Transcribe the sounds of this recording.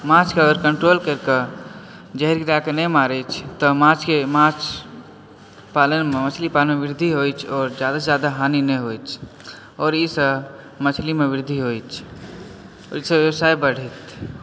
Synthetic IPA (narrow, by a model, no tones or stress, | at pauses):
mãt͡ʃkeəɡəɾkəɳʈɾolkəɾkə | d͡ʒəɦɾɡiɾakenɛmaɾɛt͡ʃʰt̪ɔmãt͡ʃkemãt͡ʃʰ | palənmemət͡ʃʰlipalənmeʋɪɾd̪ʱiɦojt͡ʃʰɔːɾd͡ʒjad̪ad͡ʒad̪aɦaninɛjɦojt͡ʃʰ | ɔːɾisəb | mət͡ʃʰlimeʋɪɾd̪ʱiɦojt͡ʃʰ | ɔ̰ːɾjisəbewsajbəɽ̤ɛt̪